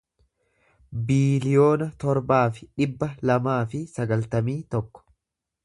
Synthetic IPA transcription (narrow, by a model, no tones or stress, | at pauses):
biːlɪjo̞ːnɐt̪ɔɾbaːfɪᶑɪbːɐlɐmaːfɪsɐɡɐlt̪ɐmiːt̪ɔkːɔ̥